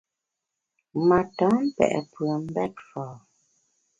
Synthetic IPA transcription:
ma˨tɔ˨˦m̩˦pɛ̰˨ʔɛ̰˨pwə˨m̩˦bɛ˦t̚fɔː˨

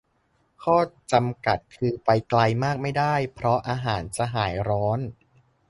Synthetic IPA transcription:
kʰɔː˥˩t͡ɕa˧mka˨˩t̪̚kʰɯː˧pa˧jkla˧jmaː˥˩k̚ma˥˩jdaː˥˩jpʰɾɔ˦˥ʔaː˧ɦaː˩˦nt͡ɕa˨˩ɦaː˩˦jɾɔː˦˥n

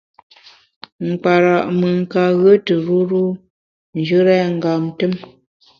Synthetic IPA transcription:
ŋ̩˨k͡pa˨ɾa˨ʔmə˨ŋ̩˨ka˨ɣə˦tə˨ɾu˦ɾu˦ | n˨d͡ʒə˦ɾɛ˦ŋ̩˨ɡa˨mtə˦m

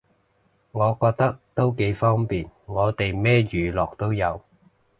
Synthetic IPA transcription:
ŋɔː˨˧kɔː˧k̚t̪ɐ˥k̚t̪o˥wke˨˧jfɔː˥ŋpiː˨nŋɔː˨˧t̪e˨jmɛː˥jyː˨˥lɔː˨k̚t̪o˥wjɐ˨˧w

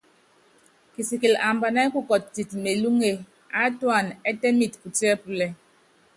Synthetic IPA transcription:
ki˨si˨ki˨la˨m˨ba˨na˦ku˦kɔ˨t̚ti˨tme˨lu˦ŋe˦˨ | a˦twa˦˨nɛ˦tɛ˦mi˨tpu˨ti˦ɛ˦pu˨lɛ˨

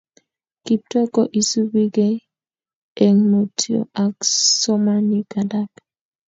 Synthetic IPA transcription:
ki˨p̚tɔ˦kɔ˨ʔi˨su˦bi˦ɡe˦ | e˨ŋmo˨tʰi˨o̰˨ʔa˨ksɔ˦ma˦ni˨ka˨da˦k

